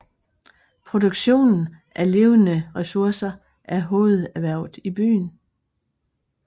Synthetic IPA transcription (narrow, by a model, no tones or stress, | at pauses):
pʰʁo̝d̥oɡ̥ɕo̝̰ːnn̩ʔæɐle̝ːʊənəʁɛsuɐsɐ | ʔæɐɦo̝ːð̞̩ˠæʋæɐ̰ʊð̩ˠib̥y̰ːn